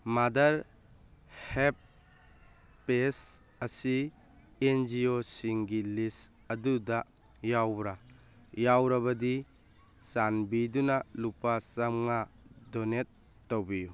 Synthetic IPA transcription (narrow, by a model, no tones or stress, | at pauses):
madɐɾ | hep̚ | pːes | ɐsi | end͡ʒiosiŋɡilis | ɐduda | jawbɾa | jawɾaβɐdi | sanbidunalupasamŋadɔnetː | owbiju